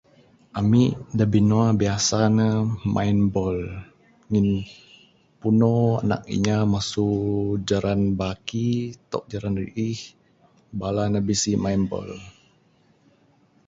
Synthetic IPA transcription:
ʔamidabinoabiasanəmʔa̰inbɔl | ŋin | punoa̰na̰k̚ḭɲamasud͡ʒaɾanbakit̪ɔ̰ʔ̚d͡ʒaɾanrḭʔih | balanəbisimajnbɔ̰l

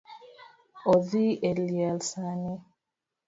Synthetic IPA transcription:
oðielialsani

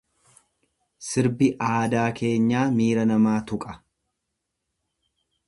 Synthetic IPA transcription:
sɪɾbɪʔaːd̪aːkʰe̞ːɲːaːmiːɾɐnɐmaːt̪ʊkʼɐ̥

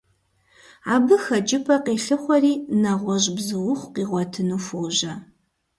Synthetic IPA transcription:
aːbɨxɐd͡ʒʼɪpʰɐqeːɬɨχʷɔriːnɐʁʷɔʒbzɨwʊχʷqiːʁʷɔtʰɨnuːfoːʒɐ

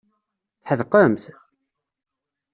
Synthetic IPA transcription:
θħəðqəmθ

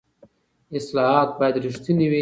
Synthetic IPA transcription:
ɪslɑɦɑt̪̚bɑjad̪ɾiʃt̪iniwi

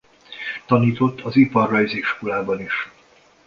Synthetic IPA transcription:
t̪ɒniːt̪o̞t̪ːɒzipɒrːɒjzikʃkolaːbɒniʃ

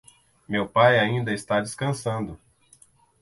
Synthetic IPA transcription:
mewpajaĩnd̪ɐɪst̪ad͡ʒɪskɐ̃sɐ̃nd̪ʊ

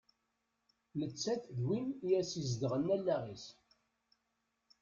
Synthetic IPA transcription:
lət͡sːæθðwinijæsizd̪əʁənːælːæʁis

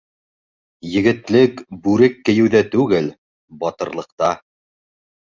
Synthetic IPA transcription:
jɘ̆ɡɘ̆t̪lɘkbʉɾɘkːɘ̆jɘ̆wðæt̪ʉɡɘl | bɑt̪ɤ̆ɾlˠɤ̆qt̪ɑ

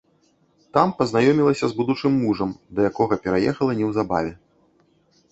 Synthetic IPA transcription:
t̪ampɐznajɔmʲilˠɐsʲɐzbud̪ut͡ʂɨmːuʐɐmd̪ɐjakɔɣɐpʲɛɾajɛxɐlˠɐnʲɛwzaba̰vʲɛ

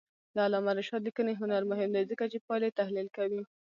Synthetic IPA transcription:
d̪aalɑmaɾɪʃɑd̪əkəneɦʊnaɾmʊɦɪmd̪ajzəkat͡ʃepɑjlet̪ahlilkawi

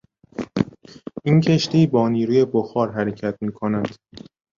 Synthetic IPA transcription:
ʔincʰe̞ʃt̪iːbɒːniːɾuːje̞boxɒːɾɦæɾe̞cʰæt̪̚ʰmiːkʰonæd̪̥

